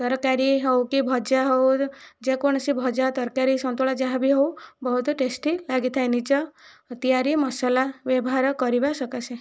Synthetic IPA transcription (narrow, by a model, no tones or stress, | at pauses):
t̪ɔɾkaɾiɦɔwkibʱɔd͡ʒaɦɔwd͡ʒekoɽ̃ɔsibʱɔd͡ʒat̪ɔɾkaɾisɔnt̪oɭad͡ʒaɦãbiɦowbɔɦut̪ɔʈesʈilaɡit̪ʰajnit͡ʃɔt̪ijaɾimɔsalaʋjɔbɔɦaɾɔkɔɾibasɔkasʰe